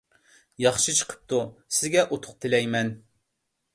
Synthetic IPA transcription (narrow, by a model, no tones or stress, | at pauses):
jɑχʃɨt͡ʃʰə̥qʰə̥p̚t̪usɪzɡʲɛʔot̪ʰʊ̥q̚t̪ʰɪlɛjmɛn